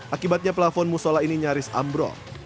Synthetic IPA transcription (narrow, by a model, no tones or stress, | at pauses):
ʔakibat̪̚ɲaplafɔnmusɔlainiɲaɾɪsa̰mbɾɔ̰